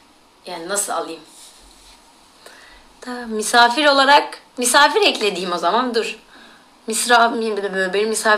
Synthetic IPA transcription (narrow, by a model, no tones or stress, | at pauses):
jaːninasɯla̰lˠɯjɯm | t̪ʰamysaːfiɾo̞lˠaɾak | mysaːfiɾɛclʲe̞d̪iːmo̞zamand̪ɯɾ̥ | misɾalˠmjimbid̪ɛbølʲbeɾimisaː